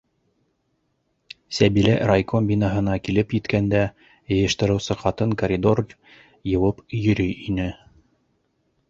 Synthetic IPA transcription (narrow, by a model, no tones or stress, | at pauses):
sæβilæɾajkombʲinɑɦɤ̆nɑkilɘpjɘ̆t̪kænd̪æ | jɤ̆jɤ̆ʃt̪ɤ̆ɾɤ̆wsɤqɑt̪ɤŋkɐɾʲid̪o̞r | jɤ̆wɤpjɵ̆ɾɵjinɘ